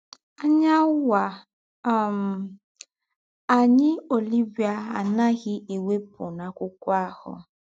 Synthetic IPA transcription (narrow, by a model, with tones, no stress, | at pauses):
a˦ɲa˦wa˨ | m˨ | a˨ɲɪ˦o˨li˦bi˨a˦a̰˨na˦ɣɪ˦i˨we˦pʊ˨na˨kʷʊ˦kʷa˦˨hʊ̰˨